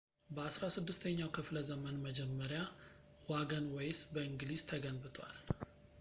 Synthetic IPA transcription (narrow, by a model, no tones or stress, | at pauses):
bəasɾasɨd̪ːɨst̪ʰəɲːawkʰɨfləzəmənməd͡ʒɛmːəɾja | waɡənwɔjsbəɨŋɡliz̥t̪ʰəɡənbɨt̪ʼwa̰l